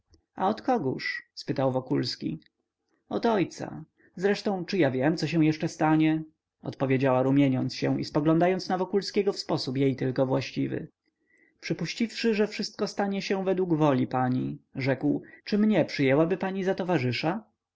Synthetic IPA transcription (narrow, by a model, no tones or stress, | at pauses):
a̰ɔt̪kɔɡuʂspɘt̪awvɔkulskʲḭ | ɔt̪ɔjt̪sa̰ | zɾɛʂt̪ɔ̃w̃t͡ʂɘjavʲjɛmt̪sɔɕɛ̃w̃jɛʂt͡ʂɛst̪aɲɛ | ɔ̰t̪pɔvʲjed͡ʑawaɾumʲjeɲɔnt̪sɕɛ̰w̃ḭspɔɡlɔ̃nd̪ajɔnsnavɔkulskʲɛɡɔfspɔsupjejt̪ɘlkɔvwaɕt͡ɕivɘ̰ | pʂɘpuɕt͡ɕifʂɘʐɛfʂɘst̪̚kɔst̪aɲɛɕɛ̃vɛd̪wuɡvɔlʲipaɲiʐɛkwt͡ʂɘmɲɛpʂɘjɛwabɘpaɲizat̪ɔvaʐɘʂa